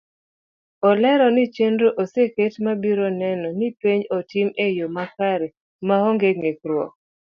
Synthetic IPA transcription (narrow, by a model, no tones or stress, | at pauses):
ɔlɛɾɔnɪt͡ʃendɾoʔoseketmabiɾonɛnɔnɪpeɲɔtɪmejomakaɾe | mahɔŋɡeŋekɾwɔ